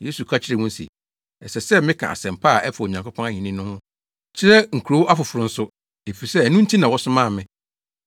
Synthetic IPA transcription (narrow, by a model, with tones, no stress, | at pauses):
je˦su˨kʰa˦t͡ɕʰɪ˦ɾɛ˦mʊ̃˦n˦sḭ˨ | ɛ˨sɛ˨sɛ˦mɪ̃˦kʰã̰˨a̰˨sɛ̃˨mpʰa˦˨ʔɛ˦fa˨o˨ɲã˨ŋkʰʊ˦pʰɔ̃˦na˦ɲĩ˨nĩ˦nʊ̃˦hʊ̃˦ | t͡ɕʰɪ˦ɾɛ˦ŋ̩˨kʰu˨ɾo˦wʔa˦fʊ˨fʊ˨ɾʊ̃˨n̩˦sʊ˦ | e˨fi˨sɛ˦æ˨nũ˦n̩˦tʰi˦nã˨wɔ˦sʊ˦mã˦˨mɪ̃˦